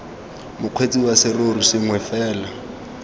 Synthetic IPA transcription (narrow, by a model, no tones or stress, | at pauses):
mʊq͡χʰwet͡sʼiwasɪroɾusɪŋwɛfɛːla